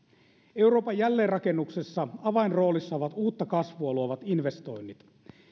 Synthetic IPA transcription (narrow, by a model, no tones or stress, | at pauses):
e̞wɾo̞ːpɑjːælːe̞ːrɑkenːuksesːɑɑʋɑinro̞ːlisːɑoʋɑt̪uːt̪ːɑkɑsʋuɑluoʋɑt̪inʋe̞st̪o̞̰jnːit̪